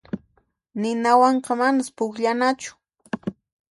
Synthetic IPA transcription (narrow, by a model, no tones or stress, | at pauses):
nɪnawɑɴqɑmanaspʊkʎanat͡ʃʊ̥